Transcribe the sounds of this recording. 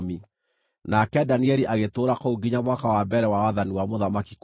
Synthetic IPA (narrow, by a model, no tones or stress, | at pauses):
mi | nakɛdaniɛɾiʔaɣetoːɾakouɡiɲaβwakawambɛɾɛwawaðaniwamoðamakik